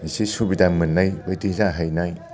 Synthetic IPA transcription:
nisisubidamɯnːajbajdizaɦajnaj

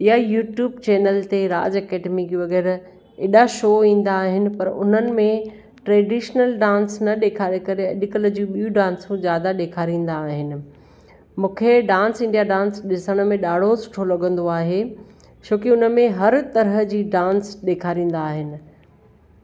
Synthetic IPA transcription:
ɪɦajuːʈjuːbt͡ɕeːnəlt̪eɾa̰ːd͡ʑɐkeːɖemiɡiʋɐɣɛːɾ | eːɗaʃoːĩːn̆d̪aːɦɪnɪ̆pɐɾʊ̰n̤ənɪ̆mẽ | ʈɾeːɖiːʃnəlɖãːnsnɐɗeːkʰaːɾekɐɾeɐʄʊkəld͡ʑũɓijũɖãːnsũd͡ʑjaːd̪aɗeːkʰaːɾĩːn̆d̪aːɦɪnɪ̆ | mũːkʰeɖãːnsɪ̃ɳɖijaɖãːnsɗɪsəɽ̃mẽɗaːɽ̤osʊ̥ʈʰolɐɠə̃nd̪oaːɦe | t͡ɕʰoːkiʊnəmẽɦɐɾt̪ɐɾɦə̆d͡ʑiːɖãːnsɗeːkʰaːɾĩːn̆d̪aːɦɪnɪ̆

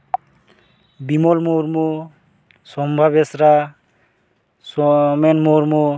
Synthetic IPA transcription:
bimɔlmoɾmo | sɔmbʱabesɾa | sɔmenmoɾmo

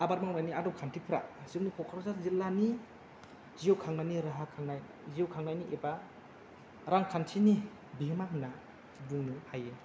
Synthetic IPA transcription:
abaɾmaŋmajniadɔwkʰantʰipʰɾa̰ziownikʰɔkʰaɾzazilːani | ziowkʰaŋnaniɾaɦakʰaŋnaj | ziwkʰaŋnajniʔeba | ɾaŋkʰantʰini | bemaŋna | buŋnɯhaje

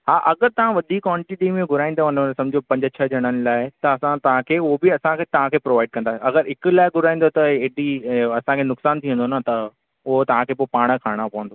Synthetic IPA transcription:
ɦaːʔɐɡəɾt̪ɐʋ̤ãʋɐd̪ʱikːɔːɳʈiɗiːmẽɡʱʊɾaːĩn̆d̪oɐnosɐ̃md͡ʑʱijopɐ̃ɲd͡ʑt͡ɕʰəd͡ʑʱɐɽ̃ənɪ̆laːɪt̪ɐɐsãt̪ɐʋ̤ãkʰeːʊɦobɪɐsãkʰeːt̪ɐʋ̤ãkʰeːpɾoːʋaːɪɖ̚kɐ̃nd̪aːɐɡəɾɪklaːɪɡʱʊɾaːĩnd̪ot̪ɐeːɗiɐsãkʰeːnʊksaːnt̪ʰiə̃nd̪onat̪ɐ | ʊɦot̪ɐʋ̤ãkʰeːpoːpaːɽ̃kʰaːɪɽ̃apɐʋə̃nd̪o

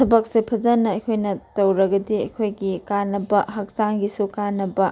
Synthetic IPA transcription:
tʰɐbɐk̚sepʰɐd͡ʒɐnɐːjkʰojnɐtɐwɾɐɡɐdiɐjkʰojɡikanːɐbɐɦɐk̚saŋɡisukanːɐbɐ

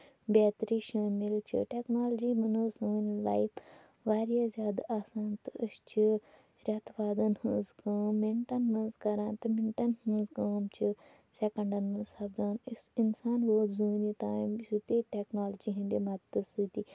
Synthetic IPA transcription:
beːt̪ɾiːʃaːmɪlt͡ʃʰɨ̰ʈɛːknaːld͡ʒiːbɐnoːsuːnla̰ːjpʰ | ʋaːɾijaːzʲjaːd̪aʔaːsaːnt̪ɨʃt͡ʃʰɨ | ɾʲɐt̪ʋaːd̪ɐnhuzkaːmːɪɳʈɐnmɐ̃nzkɐɾãːnt̪ɐmɪɳʈɐnhɨ̃zkaːmt͡ʃʰɨ | seːkə̃ɳɖɐnːusɐbd̪aːnsɪnsaːnboːt̪zuːniːt̪aːmsut̪iʈeːknaːld͡ʒiːɦĩnd̪emɐd̪ɨsut̪iː

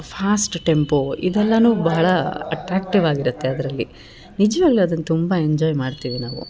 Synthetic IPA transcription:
pʰaːsʈʈe̞mpoḭd̪ɛlːɐnuːbɐːɐɭɐɐ̰ʈɾaːk̚ʈiʋaːɡiɾut̪ːe̞ɐd̪ɐɾɐlːi | nid͡ʒʋaːɡɐɭuɐd̪ɐnːɐt̪umbɐeɲd͡ʒɔːjmaːɖt̪iːʋinaːʋṵ

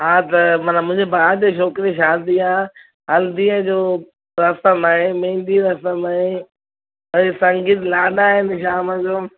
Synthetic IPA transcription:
ɦãːt̪ɐmɐnãmʊ̃ɦɪ̃ɲd͡ʑebaaːd͡ʑeʃɔːkɾiʃaːd̪iaː | ɦɐld̪iə̃d͡ʑoː | ɾɐsəmaːɦemẽːnd̪iɾɐsəmaːɦe | ɐesɐ̃ŋɡit̪laːɗaːɦɪnʃaːməd͡ʑoː

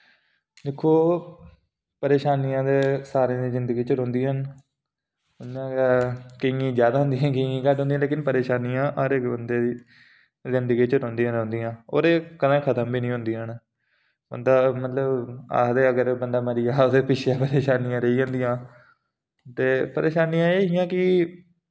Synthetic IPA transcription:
d̪eːkʰːoː | pəɾeːʃaːnijãːd̪eːsaːɾẽːd̪iːzɪnd̪əɡiːt͡ʃəɾõːnd̪iɦən | kɪŋɡĩːzjaːd̪aːɦʊ̃nd̪ijãːkɪŋɡĩːkəʈɦõnd̪ĩjãleːkɪnpəɾeːʃaːnijãːʔaːɾeːbənd̪eːd̪iː | zɪnd̪əɡĩːt͡ʃəɾõːnd̪ijãːɾõːnd̪ijãːo̰ːɾeːkənãːkʰət̪əmbiːnĩːɦʊ̃nd̪iːɦən | bə̰nd̪aːmət̪ləba̰ːd̪eːəɡəɾbənd̪aːməɾijaːoːd̪eːpɪʃʰjaːpəɾeːʃaːnijãːɾəiːɦõːnd̪ijãː | t̪eːpəɾeːʃaːnijãːeːɦɪjãːkɪ

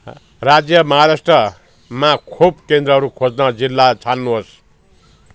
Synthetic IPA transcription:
rad͡zjʌmʌɦaɾasʈrʌ | makʰubkend̪rʌɦʌɾukʰod͡znʌd͡zilːat͡sʰanːuɦos

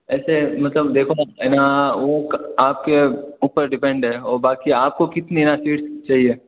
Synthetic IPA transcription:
ɛːsemɐt̪ləbd̪eːkʰoaɛːnaʋokaːp̚keuːpəɾɖɪpɛ̃ɳɖɦɛɔːɾbaːkiaːp̚kokɪt̪ninasiːʈst͡ʃaːɦieː

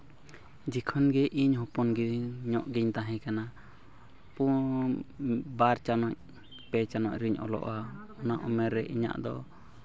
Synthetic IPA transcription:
d͡ʒɛkʰɔnɡɛʔiɲhɔ̃pɔnɡiɲɔʔɡiɲt̪aɦɛ̃kana | pu | baɾt͡ʃanɔɲ | pɛt͡ʃanɔʔɾiɲɔ̰lɔ̰ʔwaɔnaʔɔmɛɾːɛʔiɲa̰ʔd̪ɔ̰

